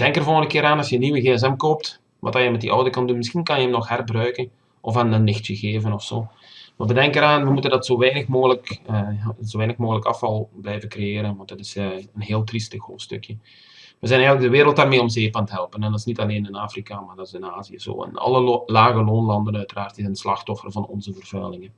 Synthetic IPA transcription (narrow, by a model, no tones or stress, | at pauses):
d̥ɛŋkərvolˠɣəndəkɪːɾaːnɑsjənːiʋəɣeːɛs̬ɛmkoːp̚t | ʋɑ̰taːjəmɛt̚dḭʔɔwdəkɑndunmɪsxinkɑnjəəmnɔxhɛrbrœɥkən | ʔɔfanənːɪxtjəɣeːvənɔfsoː | maːʋədɛŋkəɾaːnʋəmutəndɑtsoːʋɛjnəxmoːɣələkː | zoːʋɛːjnəxmoːɣələkɑ̰fɑlˠblɛjvənkrejeːɾənʋɑntdɑtɪsənɦeːlˠtristəxho̰ːstɵ̰kjə | ʋəzɛnɛjɣələɡ̚dəʋeːɾəlˠtaːrmeːɔmzeːpaːntəɦɛlˠpənɛndɑtɪsnitɑleːnɪnaːfrikamaːrdɑtɪsɪnaːzijə̰zo̰ːɪ̰nɑ̰lˠəlaːɣəloːnlɑndənœɥtəraːrtɪzənslɑxtɔfərvɑnɔ̰nzəvərv̥œ̰ɥlɪŋən